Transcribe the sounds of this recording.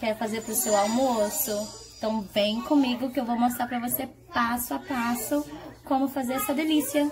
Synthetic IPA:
kɛɾʊfazeɾpɾʊsewawmosʊẽt̪ɐ̃w̃vẽj̃kõmiɡʊkɪewvowmost̪ɾaɾpɾɐvose | pasʊapasʊkõmʊfazeɾɛsɐd̪elisiɐ

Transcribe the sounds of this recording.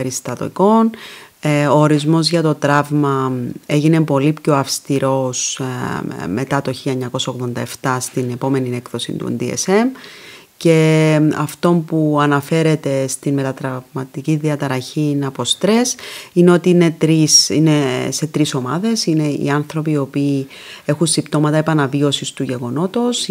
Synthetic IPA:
eɾist̪ɐt̪o̰iko̞n | oːɾizmo̞zʝɐt̪ot̪ɾɐvmɐe̞ʝine̞po̞lipço̞ɐfst̪iɾo̞s | me̞t̪ɐt̪o̞çiʎɐeɲːɐko̞sɐoɣðo̞nd̪ɐe̞ft̪ɐst̪ine̞po̞me̞nie̞kθo̞sḭnt̪ṵnd̪iḛse̞m | ce̞ɐ̰ft̪o̞mpuɐnɐfe̞ɾe̞t̪e̞st̪inme̞t̪ɐt̪ɾɐvmɐt̪iciðiɐt̪ɐɾɐçinɐpo̞st̪ɾe̞sineo̞t̪ine̞t̪ɾisine̞se̞t̪ɾiso̞mɐðe̞sine̞ḭɐnθɾo̞pio̞piː | e̞xunsipt̪o̞mɐt̪ɐe̞pɐnɐvio̞sist̪uʝe̞ɣo̞no̞t̪o̞s

